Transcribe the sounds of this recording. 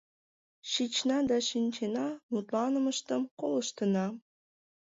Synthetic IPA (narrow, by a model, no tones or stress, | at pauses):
ʃit͡ɕnɑd̪ɑʃinʲt͡ɕenɑmut̪lɑnəməʃt̪əmkoləʃt̪ənɑ